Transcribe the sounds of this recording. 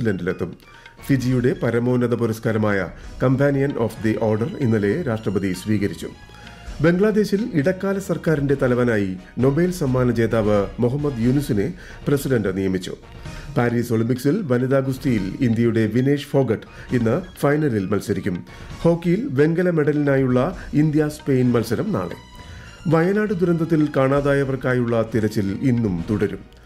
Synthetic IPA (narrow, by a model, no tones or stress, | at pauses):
idɐnɖilet̪ːum | fid͡ʑijuɽe̞pɐɾɐmo̞ːnɐðɐpuɾɐskaːɾɐmaːjɐ̰kɐmpʰaːnijɐnoːfd̪iʔo̞ːrɖɐrḭnːɐle̞ɾaːʂʈrɐbɐðisʋiːɣɐɾit͡ɕːṵ | be̞ŋɡɭaːd̪e̞ːɕiliɽɐkːaːlɐsɐrkaːɾinde̞t̪ɐlɐʋɐnaːjino̞be̞ːlsɐmːaːnɐt͡ɕe̞ːðaːʋɨmuɦɐmːɐd̪junisine | prɐsiɖɐnɖɨnijɐmit͡ɕːṵ | paːɾiːsoɭimpiksilʋɐniðaːɡust̪ijilind̪jɐjuɽe̞ʋineːʂfo̞ːɡɐʈː | inːɨfɐjnɐɾilmɐlsɐɾikʲːum | ho̞ːkːijilbe̞ŋɡɐlɐme̞ɽɐlinaːjuɭːɐind̪jaspe̞jnmɐlsɐɾɐmna̰ːɭɨ̰ | ʋɐjɐnaːɽɨd̪uɾɐnd̪ʱɐt̪ːilkaːɳaːðaːjɐʋɐrkaːjuɭːɐt̪iɾɐt͡ɕːilinːumt̪uɽɐɾum